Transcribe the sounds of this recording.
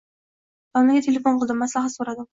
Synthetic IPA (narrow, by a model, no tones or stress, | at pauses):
bamɪɡʲat̪ʰe̞lʲe̞fonqʰɨlˠd̪ɪmːaslaɦat̪soɾad̪ɪm